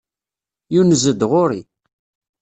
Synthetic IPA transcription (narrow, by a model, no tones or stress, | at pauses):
junəzəd̪ʁʊɾi